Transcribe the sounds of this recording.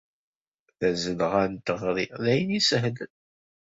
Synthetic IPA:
θæzəlʁænt̪əʁɾiðæjənisəɦd̪

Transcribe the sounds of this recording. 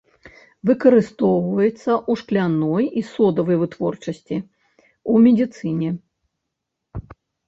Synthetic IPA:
vɨkɐɾɨst̪ɔwvɐjɛt̪sːɐʔuʂklʲanɔjisɔd̪ɐvɐjvɨt̪vɔrt͡ʂɐsʲt͡sʲi | umʲɛd̪ʲit̪sɨnʲɛ

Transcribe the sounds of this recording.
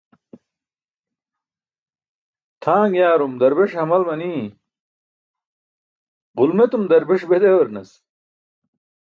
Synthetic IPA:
t̪ʰaːŋɡjaːɾumd̪ɐɾbeʂhɐmɐlmɐniː | ʁulmet̪umd̪ɐɾbeʂbed̪ewɐɾnɐs

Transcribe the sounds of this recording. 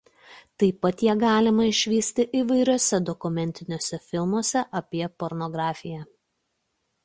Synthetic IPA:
t̪ɐɪpɐt̪jiɛɡɑːlʲɪmɐɪʃʲʋʲiːsʲt̪ʲɪʔiːʋɐɪɾʲoːsʲɛd̪ɔkʊmʲɛnʲt̪ʲɪnʲoːsʲɛfʲɪlˠmoɔsʲɛʔɐpʲiɛpɔɾnɔɡɾɑːfʲɪjæ

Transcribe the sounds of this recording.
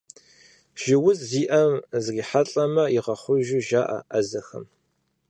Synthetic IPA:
ʒ̥ɪwʊzziːʔɐmzriːħaɬʼɐmɐjiʁɐχʷʊʒuʒaːʔɐ̰ʔɐzɐxɐ̰m

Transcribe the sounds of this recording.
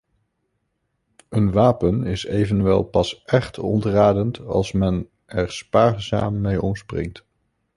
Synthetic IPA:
ənʋaːpənɪsejvənʋɛ̰lˠpɑsʔɛχtɔ̰ntraːdəntɑ̰lˠsmɛn | ɛɹspaːrza̰ːmːejɔmsprɪ̰ŋt

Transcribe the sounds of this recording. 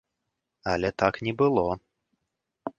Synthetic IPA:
ɐlʲɛt̪aknʲɛbɨlˠɔ

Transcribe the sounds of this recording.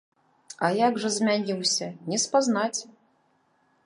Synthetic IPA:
ɐjaɡʐɐzʲmʲanʲiwsʲɐnʲɛspaznat͡sʲ

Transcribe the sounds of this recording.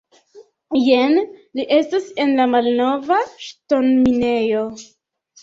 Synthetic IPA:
jenliʔe̞stase̞nlamalno̞vaʃto̞nmine̞jo̞

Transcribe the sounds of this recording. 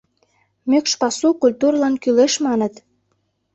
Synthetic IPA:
møkʃpɑsukulʲt̪urlɑnkyleʃmɑnət̪

